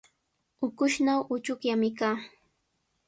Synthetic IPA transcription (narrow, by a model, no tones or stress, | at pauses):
ʊkʊʃnawʔʊt͡ʃʊkjamɪkaː